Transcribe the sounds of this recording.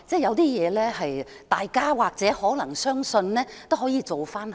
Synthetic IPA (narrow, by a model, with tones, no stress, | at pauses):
t͡sɛː˥˩jɐ˨˧wt̪iː˥jɛː˨˧lɛː˥hɐ˨j | t̪aː˨jkaː˥waː˨k̚t͡sɛː˨˥hɔː˨˥nɐ˨˩ŋsœː˥ŋsɵ˧nlɛː˥t̪o˥wɦɔː˨˥jiː˧t͡so˨wfaː˥n